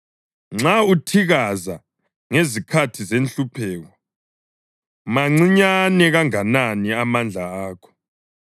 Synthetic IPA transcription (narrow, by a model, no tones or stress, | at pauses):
ŋ͡ǁautʰiɣaza | ŋezikʰatʰizenɬupʰɛːɣɔ | maŋ͡ǀiɲanɛɣaŋananiamand͡ɮʱaaːkʰɔ̥